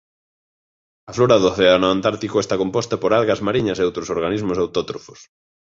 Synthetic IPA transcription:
ɐfloɾɐðoθeanoant̪aɾt̪ikoest̪akompɔst̪ɐpoɾalɣɐzmaɾiɲɐseowt̪ɾosoɾɣanizmʊsawt̪ɔt̪ɾofos

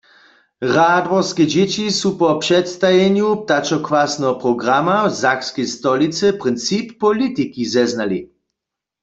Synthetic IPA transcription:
ʁad̪vɔskɛd͡ʑɛt͡ʃisupɔpʃɛt̪st̪ajɛnjup̚t̪at͡ʃɔkwasnɛɦɔpʁɔɡʁamavzakskɛjst̪ɔlit͡sɛpʁɪnt̪t͡sipːɔlit̪ikizɛznali

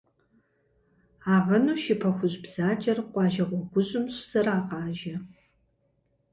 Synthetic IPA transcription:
aːʁɐnuːʃɪpʰɐxʷʊʑbz̥aːt͡ʃʼɐrqʷɑːʒɐʁʷɔɡʷʊʑɪmɕz̥ɐraːqɑːʒɐ

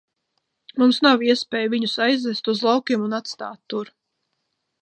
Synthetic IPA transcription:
mumsnawiɛspʲɛːjviɲusajzɛst̪uzlˠawkʲiɛmunat̪st̪aːt̪ːuɾ

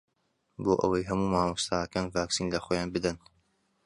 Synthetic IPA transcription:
boːʔə̰wɐjɦɐmuːmaːmust̪ʰaːhɐkaːnvaːksiːnlɐxoːjaːnbɨd̪ɐn

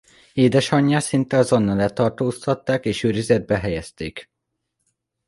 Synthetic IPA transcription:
eːd̪ɛʃɒɲːaːsint̪ɛɒzo̞nːɒlɛt̪ɒrt̪oːst̪ɒt̪ːaːkeːʃøːɾizɛd̪̚bɛɦɛjɛst̪eːk

